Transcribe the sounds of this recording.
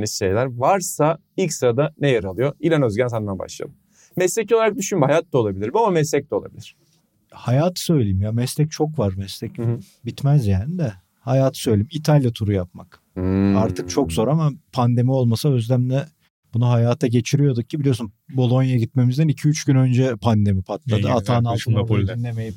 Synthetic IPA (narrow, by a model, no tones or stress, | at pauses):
nisʃe̞̰jlʲæɾvaɾsa | ilʲcsɯɾad̪anejaɾalˠɯjoilʲanø̞zɟænsand̪anba̰ʃlˠa̰d̪ˠɯm | mɛslɛcʰoaɾak̚d̪yʃynmhajat̪ːao̞lˠabilʲiɾbmamamɛs̬lʲɛc̚t̪ɛolˠa̰bilʲiɾ̥ | hajaːt̪ʰɯ̥sø̞jlʲejimjamɛslʲɛc̚t͡ʃʰo̞kvaɾmɛslɛc | bit̪mæzjaːnid̪ɛ | hajaːt̪ʰɯ̥sø̞jlʲeimit̪ʰalʲjat̪ʰuɾujap̚mak | aɾt̪ʰɯk̚t͡ʃʰo̞kzo̞ːɾamapʰand̪e̞mio̞lˠmasaøzlæmlɛ | bunuɦajaːt̪ʰaɟe̞t͡ʃʰiɾyjo̞d̪uk̚cʰːibilijo̞sunbo̞lˠo̞njaɟit̪̚me̞mizd̪ænicʰiyt͡ʃɟynø̞nd͡ʒɛpʰand̪e̞mipʰat̪lˠad̪ɯat̪ʰaːnalˠt̪ʰɯnd̪inlʲe̞meji